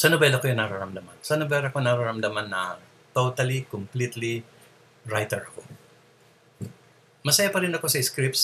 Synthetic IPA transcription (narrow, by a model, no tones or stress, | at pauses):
sɐnobɛlɐkojʊŋnɐɾaɾɐmd̪amansɐnobɛlɐko̞nɐɾaɾɐmd̪ɐmanːɐ | t̪ot̪ɐlikomplit̪li | ɹajt̪ɛɹko | mɐsɐjapɐɾɪnɐkosɐɪskɾip̪̚s